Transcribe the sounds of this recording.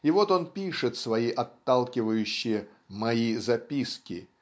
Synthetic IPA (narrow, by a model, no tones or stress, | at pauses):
ɪvo̞t̪o̞npʲiʂɨt̪svɐiʔɐt̪ːalˠkʲɪvəjʉɕːɪjə | mɐizɐpʲiskʲɪ